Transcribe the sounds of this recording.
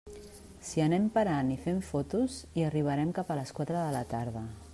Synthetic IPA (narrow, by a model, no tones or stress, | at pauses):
siənɛmpəɾanifeɱfɔt̪uziəriβ̞əɾɛmkapələskwat̪ɾəðələt̪aɾðə